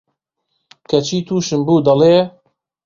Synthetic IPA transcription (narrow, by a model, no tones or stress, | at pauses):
kʰɐt͡ʃʰiːt̪ʰuːʃɨmbuːd̪ɐleː